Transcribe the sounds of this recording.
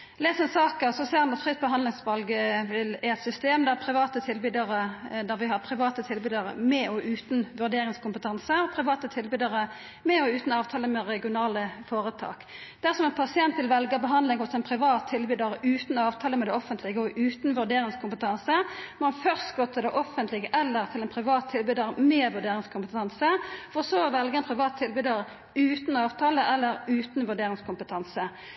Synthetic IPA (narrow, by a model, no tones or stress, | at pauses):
leːsɛnsɑːkəsɔseːhɑnɑt̪fʁɪt̪̚bəɦɑnd̪lɪŋsʋɑlɡəʋɪlæɛt̪sʏst̪eːmd̪æpʰʁɪʋɑːt̪ət̪ʰɪlbyd̪ɑʁəd̪æʁʋɪhɑʁpʰʁɪʋɑːt̪ət̪ʰɪlbyːd̪ɑʁə̰mɛɔʔʉːt̪nʋʉʁd̪eːʁɪŋskʊmpət̪ʰɑnsəɔpʰʁɪʋɑːt̪ət̪ʰɪlbyːd̪ɑʁə | mɛɔʉːt̪n̩ɑːʋt̪ʰɑːləmɛʁɛɡɪʊnɑːləfoːɾət̪ʰɑ̰ːk | d̪̥æʁsɔmɛnpʰɑsɪɛnt̪ʋɪlʋɛlɡəbəɦɑnd̪lɪŋʊsɛnpʰʁɪʋɑːt̪ʰːɪlbyːd̪ɑʁəʉːt̪nɔɑːʋt̪ʰɑːləmɛd̪ɛɔfənt̪ʰlɪɡəɔʔʉːt̪n̩ʋʉʁɖ̪eːʁɪŋskʰʊmpət̪ʰɑnsəmɔɑnfœʁst̪ɡɔt̪ʰːəd̪ɛʔɔfːənt̪lɪɡəʔɛlːəʁt̪ʰɪlɛnpʰʁɪʋɑːt̪ʰːɪlbyːd̪əʁəmeːʋʉʁɖ̪eːʁɪŋskʰʊmpət̪ʰɑnsəfɔʁsoːʋɛlɡəɛnpʰʁɪʋɑːt̪ʰɪlbyːd̪ɑʁə | ʉːt̪n̩ɑːʋt̪ʰɑːləʔɛlːəɾʉːt̪nʋʉʁɖeːʁɪŋskʰʊmpət̪ʰɑnsə